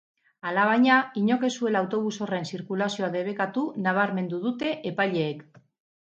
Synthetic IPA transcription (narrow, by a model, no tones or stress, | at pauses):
alaβ̞ajɲaiɲo̞ke̞sue̞lawt̪o̞β̞uso̞re̞nsiɾkulasio̞aðe̞β̞e̞kat̪unaβ̞aɾme̞nd̪uðut̪e̞ʔepaʎe̞ːk